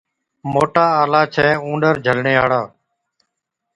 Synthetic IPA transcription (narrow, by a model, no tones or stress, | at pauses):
moːʈaːaːlaːt͡ʃʰɛːũːɳɖəɾd͡ʒʱəlɳeːaːɽaː